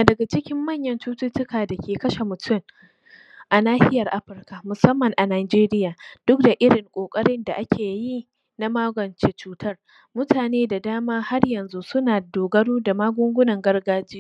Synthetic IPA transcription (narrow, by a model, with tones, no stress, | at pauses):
a˨dɐ˨ɡa˨t͡ʃɪ˦kʲɪ˦mːɐ˦˨ɲjɐ˦nt͡ʃuː˦tʊ˦tʊ˦kaː˨da˨kʲeː˨kɐ˦ʃe˨mʊ˨tʰʊ˦˨m | ʔa˨naː˦hɪ̰˦jɐ˨rʔa˦ɸɪ˨˦rka˨mʊ˨sɐ˦mːɐ˨ŋʔa˨naː˨d͡ʒeː˦ɾɪ˦jaː˨d̥ʊ˦k̚da˨ʔɪ˦ɽɪ˨ŋkʷʼoː˨kʼɐ˦ɽɪ˦nda˨ʔa˦kʲʰeː˨ji˦ | na˦maː˦ɡʷɔ˨nt͡ʃeː˦t͡ʃuː˦tʰɐ˦r | mʊ˦tʰaː˨neː˦da˨daː˦maː˦ha˦rjɐ˨nzu˦sʊ˦naː˨doː˨ɡɐ˦ɽuː˦da˨maː˦ɡʷʊ˦ŋɡʷʊ˦nɐ˨ŋɡɐ˦rɡaː˦d͡ʒɪ˦jo˦